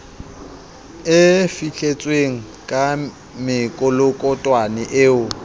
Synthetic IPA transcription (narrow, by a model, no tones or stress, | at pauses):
ɪfiɬʰet͡sʼweŋ̩ | kʼa | mɪkʼʊlʊkʼɔtʼwanɛʔeːʊ